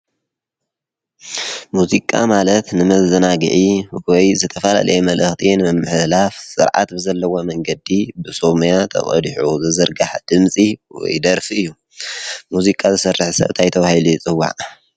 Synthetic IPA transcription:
muzikʼa̰malɐt̪nɨmɐzɐnaɡɨ̰ʕiwɔjzɨt̪ʰɐfɐla̰lʔɐ̰jɛmɐlʔɨxt̪ʰinɨmɨmːɨħlafsɨ̰ɾʕa̰t̪bɨzɐlːɐwomɐŋɡɐd̪ibɨso̞mjat̪ʰɐ̰χʼɐ̰d̪ħuzɨzɨɾɡaħad̪̥ɨmsʼiwɔ̰jd̪ɐɾfiɨjːu | muzikʼazɨsɐrːɨħsɐ̰βt̪ʰajt̪ʰɐβahiliit͡sʼɨwːa̰ʕ

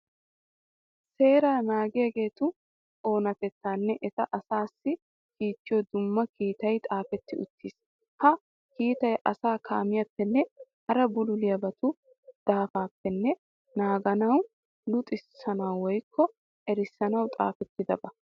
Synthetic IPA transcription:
se̞ːɾaːnaːɡɪjɐɡe̞ːt̪ʊ | o̞ːnɐt̪ɛt̪ːaːnːɛʔɛt̪ɐʔɐsaːsːɪ | kiːt͡ʃ̪ːɪjɔd̪ʊmːɐkiːt̪ɐjt̪ʼaːfɛt̪ːɪʊt̪ːiːs | hɐ | kiːt̪ɐjʔɐsaːkʰaːmɪjɐpːɛnːɛhɐɾɐbʊlʊlɪjɐbɐt̪ʊ | d̪̥aːfaːpːɛnːɛ | naːɡɐnɐw | lʊt̪ʼɪsɐnɐwwɔjkʰːɔ | ʔɛɾɪsːɐnɐwt̪ʼa̰ːfɛt̪ːɪd̪ɐbɐ

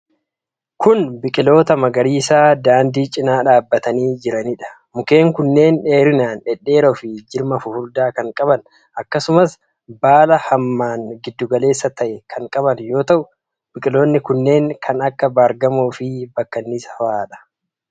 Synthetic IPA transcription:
kʊnbɪkʼɪlo̞ːt̪ɐmɐɡɐɾiːsaːd̪aːnd̪iːt͡ʃʼɪnaːᶑaːbːɐt̪ɐniːd͡ʒɪɾɐnɪᶑɐ̥ | mʊke̞ːŋkʊnːe̞ːne̞ːɾɪnaːnɛɗːe̞ːɾɔfɪd͡ʒɪɾmɐfʊhʊɾd̪aːkɐŋkʼɐβɐn | ʔɐkːɐsʊmɐs | baːlɐhɐmːaːŋɡɪd̪ːʊɡɐle̞ːsːɐt̪ɐʔɛkʰɐŋkʼɐbɐnjo̞ːt̪ɐʔʊ | bɪkʼɪlo̞ːnːɪkʊnːe̞ːŋkʰɐnɐkːɐbaːɾɡɐmoːfɪbɐkːɐnːisɐfaːᶑɐ̥

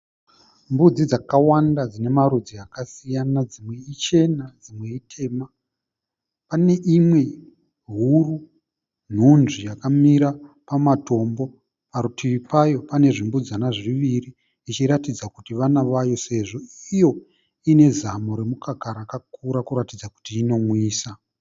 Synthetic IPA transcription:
mbud͡zid͡zakawandad͡zine̞maɾud͡ziakasijanad͡zimwe̞it͡ʃe̞nad͡zimwe̞itʰe̞ːma | pane̞ʔimwe̞ | ɦuru | n̤unʐijakamiɾapamato̞mbo | paɾutʰiʋipajo̞pane̞ʐimbud͡zanaʐiʋiriː | t͡ʃiɾatid͡zakutiʋanaʋajo̞se̞ʐo̞ijo̞ | ine̞zamoɾe̞mukakaɾakakuɾakuɾatid͡zaku̥tiːno̞mwiːsa

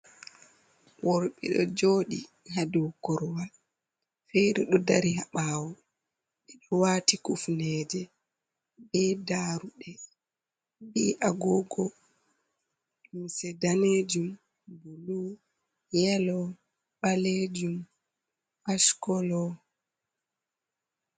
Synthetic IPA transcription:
wɔɾɓḭɗɔ̰d͡ʒoɗi | ɦaduwkɔɾwal | fɛjɗɔɗɔdaɾihaɓaːwɔ | ɓiɗɔwaːtikufnɛd͡ʒɛ | bɛdaɾuɗɛ | ɓiʔaɡɔɡɔ | umsɛdaned͡ʒum | bulu | jɛlɔ | ɓaled͡ʒum | ʔaʃkɔlɔ

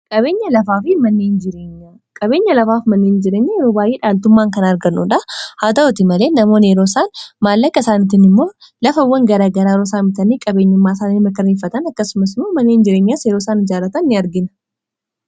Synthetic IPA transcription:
kʼɐbe̞ːɲːɐlɐfaːfɪmɐnːeːnd͡ʒɪɾe̞ːɲːa | kʼɐbe̞ːɲːɐlɐfaːfmɐnːe̞ːnd͡ʒɪɾe̞ːɲːɐjɛɾoːbaːjʔeːᶑaːlt̪ʊmːaːŋkɐnɐɾɡɐnːṵᶑɐhaːt̪ɐɔt̪ɪmɐle̞ːnɐmo̞ːnɛɾoːsaːnmaːlːɐkːɐsaːnɪt̪ɪnɪmːo̞ː | lɐfɐwːɐŋɡɐɾaːɡɐɾaːɾɔsaːmɪt̪ɐnikʼɐbe̞ːɲːɐmːaːsaːniːmɐkɐɾeːfːɐt̪ɐnɐkːɐsʊmɐsɪmoːmɐnːe̞ːnd͡ʒɪɾeːɲːasjeɾoːsaːnɪd͡ʒaːɾɐt̪ɐnːɪɐɾɡɪnɐ̥

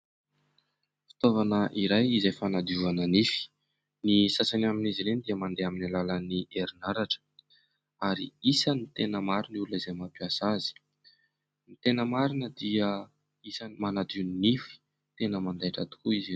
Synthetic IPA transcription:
fi̥t̪ovanəʔiɾajizajfanad̪iuvanənifi̥ | nisasanaminizilend̪iəmand̪eaminalalənieɾinaɾaʈ͡ʂə̥ | aɾiisənit̪enəmaɾinulunizajmapiasazi̥ | nit̪enəmaɾinəd̪iə | isənmanad̪iuninifi̥ | t̪enəmand̪aʈ͡ʂa̰t̪u̥kuizi

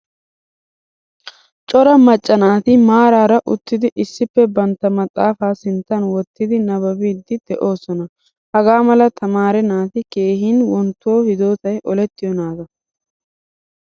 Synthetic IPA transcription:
t͡ʃʼɔɾɐmɐt͡ʃʼːɐnaːt̪ɪmaːɾaːɾɐʔʊt̪ːɪd̪ɪʔɪsːɪpːɛbɐnt̪ːɐmɐt̪ʼːaːfaːsɪnt̪ːɐnwɔt̪ːɪd̪ɪnɐβɐbiːd̪ːɪd̪̥ɛʔo̞ːsɔnɐ | hɐɡaːmɐlɐt̪ʰɐmaːɾɛnaːt̪ɪke̞ːɦiːnwɔnt̪ːo̞ːhɪd̪o̞ːt̪ɐjʔɔlɛt̪ːɪjɔnaːd̪ɐ

